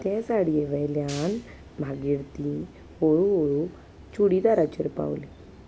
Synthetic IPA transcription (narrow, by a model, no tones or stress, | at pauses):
t̪ɛ̃saɽijeʋəjljan | mʱaɡiɽt̪i | ɦoɭuɦoɭu | t͡ʃuɽid̪aɾat͡ɕəɾpa̰wli